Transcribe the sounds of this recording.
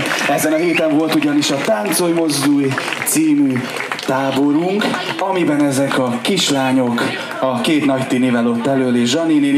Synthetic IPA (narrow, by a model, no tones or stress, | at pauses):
ɛzɛnɒɦeːt̪ɛɱvo̞lt̪uɟɒniʃɒt̪ant̪sojmo̞zd̪uːjt̪siːmy | t̪aːbo̞ɾuŋkɒmibɛnɛzɛkɒkiʃlaːɲo̞k | ɒkeːt̪nɒct̪inivɛlo̞t̪ːɛløːleːʒʒɒniniː